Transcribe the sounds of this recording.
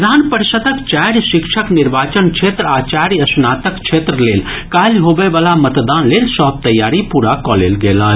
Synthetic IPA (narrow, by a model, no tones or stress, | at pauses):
d̪ʱaːnpəɾsəd̪əkt͡ʃaːɾjʃɪkʃʰəknɪɾʋaːt͡ʃənkt͡ʃʰeːt̪ɾaːt͡ʃaːɾjɐsnaːt̪əkt͡ʃʰet̪ɾəleːl | kaːlɦobeʋalamət̪d̪aːnlelsɔɦb̚t̪əjːaːɾipuɾakɔlḛːlɡeːla